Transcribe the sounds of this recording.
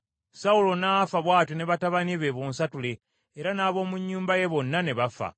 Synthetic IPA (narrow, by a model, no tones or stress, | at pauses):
saulo̞naːfaβwaːtine̞βataβaniβeβoːnsatuleː | ɾanaːβo̞ːmuɲːuːmbaje̞βo̞nːane̞βafa̰